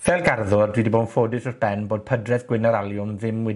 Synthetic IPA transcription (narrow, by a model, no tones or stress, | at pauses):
vɛlˠɡarðʊrdwidiboːdnfoːdɪsɔrb̥ɛnboːd̚pʰədrɛðɡwɪnaɾalˠjʊnðɪmwɪ